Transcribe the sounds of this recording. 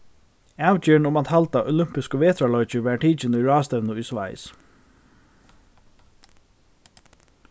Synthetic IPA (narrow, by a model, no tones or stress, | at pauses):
aːʋt͡ɕɛːɳʊmaːt̪halt̪aʔɔ̰lʏm̥pɪskəʋeːt̪ʰɾalɔjt͡ʃəʋæɹʈʰiːt͡ʃɪnʊjɹɑːst̪ɛʋnəʊjsʋa̰ɪs